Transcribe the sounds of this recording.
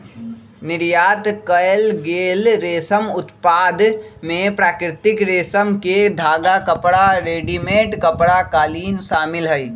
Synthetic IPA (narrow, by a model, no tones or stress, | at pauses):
nɪɾjaːt̪kəjlɡeːlɾeːsəmʊt̪paːd̪mẽpɾaːkɾɪt̪ɪkɾeːsəmked̪ʱaːɡakəpɽaɾeːɖimẽːʈkəpɽakaːliːnʃaːmɪlɦəi